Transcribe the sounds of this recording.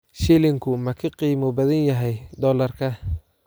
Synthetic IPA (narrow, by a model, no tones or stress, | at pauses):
ʃilɪŋkʰʊmɐkʰɐqiːmɔbɐðɐnjɐɦɛjd̪ɔːlɐrkʰɐ